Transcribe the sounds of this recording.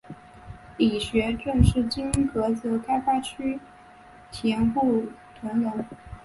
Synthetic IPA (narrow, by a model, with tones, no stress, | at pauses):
li˨˩ɕɥɛ˧˥ʈ͡ʂɤ˥˧ŋʂɻ̩˥˩t͡ɕi˥n˥kɤ˧˥t͡s̩˧˩kʰa˥ɪfa˥t͡ɕʰy˥ | t͡ɕʰɛ˧˥npu˥˩ | t̪ʰwə˧˥ŋjə˧˥ŋ